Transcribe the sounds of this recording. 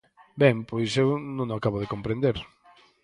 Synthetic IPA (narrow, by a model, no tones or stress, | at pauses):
bɛmpojsewnõŋakaβʊðekõmpɾẽnd̪eɾ